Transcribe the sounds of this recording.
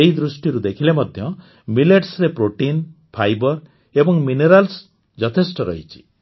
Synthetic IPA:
eɦid̪ɾusʈiɾud̪ekʰilemɔd̪ʱjɔ | mileʈsɾepɾoʈinpʰajbɔɾ | ebɔŋmineɾals | d͡ʒɔt̪ʰesʈɔɾɔ̰ɦit͡ʃʰi̥

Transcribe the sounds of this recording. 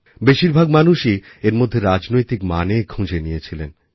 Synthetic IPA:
beʃiɾbʱaɡmanuʃi | eɾmod̪ʱːeɾad͡ʑnojt̪ikma̰nekʰũd͡ʑenijet͡ɕʰilḛn

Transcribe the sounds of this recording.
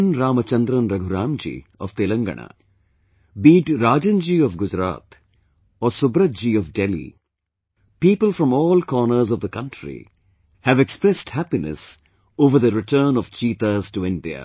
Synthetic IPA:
nɾaːmət͡ʃɐ̃nd̪ɾə̃nɾɐɡʱuɾãːmd͡ʒḭːɔ̰ʋt̪elə̃ŋɡə̰ɳ̃a̰ | biːʈɾaːd͡ʒə̃nd͡ʒiːɔfɡʊd͡ʒɾa̰ːt̪ | ɔsʊbɾəd͡ʒiɔʋɖelḭ | piːpəlfɾɔ̃mɔːlkɔːnəɾzɔʋd̪əkʌ̃ɳʈɾḭ | hæʋekspɾɛsʈhæpinḛs | oːʋəɾd̪əɾɪʈəːnɔʋt͡ʃiːt̪aːzʈuɪ̃nɖia̰

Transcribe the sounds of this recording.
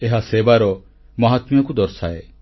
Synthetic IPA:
eɦaseːbaɾɔ | mɐɦat̪mjakud̪ɔɾsae

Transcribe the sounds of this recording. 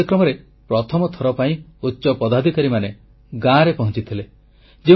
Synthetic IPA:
kɾɔmɔɾe | pɾɔt̪ʰɔmɔt̪ʰɔɾɔpaĩutːʃɔpɔd̪ad̪ʱikaɾimane | ɡãɾepɔɦɔ̃t͡ʃit̪ʰile | d͡ʒi

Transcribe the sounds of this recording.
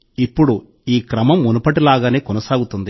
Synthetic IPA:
ipːuɽu | iːkɾɐmɐmːunɐpɐʈilaːɡaːne̞ːkɔnɐsaːɡut̪und̪i

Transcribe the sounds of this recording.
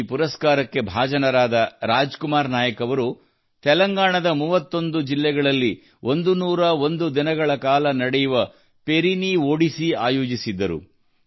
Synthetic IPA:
puɾɐskaːɾɐkːe̞bʱaːd͡ʒɐnɐɾaːd̪ɐɾaːd͡ʒkumaːɾnaːjɐkɐʋɐɾu | t̪ɛlɐŋɡaːɳɐd̪ɐmuːʋɐt̪ːo̞nd̪ud͡ʒilːɛɡɐɭɐlːi | ʔond̪unuːɾɐo̞nd̪ud̪inɐɡɐɭɐkaːlɐnɐɽɛjuʋɐ | pe̞ɾinioːɽisia̰ːjoːd͡ʒisid̪ːɐɾṵ

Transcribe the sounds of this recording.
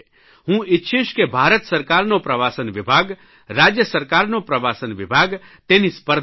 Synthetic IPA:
ɦũːɪtːʃʰiʃkebʱaːɾət̪sɐɾkaːɾnopɾɐʋaːsənʋɪbʱaːɡ | ɾaːd͡ʒjəsəɾkaːɾnopɾɐʋaːsənʋɪbʱaːɡ | t̪eːnispəɾd̪

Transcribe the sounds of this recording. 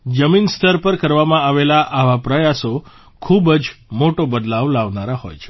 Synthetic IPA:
d͡ʒəminst̪ʰəɾpəɾkəɾʋamãaʋelaʔaʋapɾəjaso | kʰubd͡ʒmoʈobəd̪laʋlaʋnaɾaɦo̰jt͡ʃʰe̥

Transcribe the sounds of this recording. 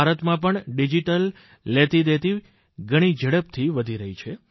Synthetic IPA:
aɾət̪mãpəɳɖid͡ʒiʈəlː | et̪id̪et̪i | ɡʱəɽ̃id͡ʒəɽəpt̪ʰiʋəd̪ʱiɾəɦit͡ʃʰe

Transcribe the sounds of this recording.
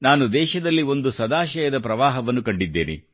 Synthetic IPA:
naːnud̪ɛːʃɐd̪ɐlːio̞nd̪usɐd̪aːʃɐjɐd̪ɐpɾɐʋaːɦɐʋɐnːukɐɳɖid̪ːḛːnḭ

